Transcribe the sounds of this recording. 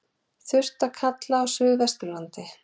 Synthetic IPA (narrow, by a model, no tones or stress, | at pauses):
θʏr̥t̪akʰat̪laawsʏːɣvɛst̪ʏɾlant̪ɪ